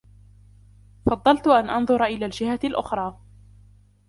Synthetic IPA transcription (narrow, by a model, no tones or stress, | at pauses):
fɑd̪ˤːɑlt̪ʊʔanʔɑnðˤʊɾˤʔɪlaːld͡ʒɪhalʔʊ̰xɾˤɑː